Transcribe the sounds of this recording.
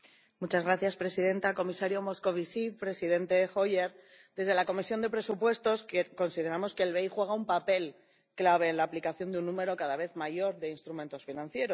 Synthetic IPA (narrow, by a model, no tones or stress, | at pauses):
mut͡ʃazɣɾaθjaspɾe̞sið̞e̞nt̪ako̞misaɾjo̞mo̞sko̞βisipɾe̞siðe̞nt̪e̞xo̞jeɾ | d̪e̞zð̞e̞lako̞misjo̞nd̪e̞pɾe̞supwe̞st̪o̞skko̞nsiðe̞ɾamo̞ske̞ːlβe̞jxwe̞ɣ̞aumpape̞l | klaβ̞e̞ːnlaːplikaθjo̞nd̪unːũme̞ɾo̞kaðaβ̞e̞θmaʝo̞ɾðe̞inst̪ɾument̪o̞sfinãnθje̞ɾo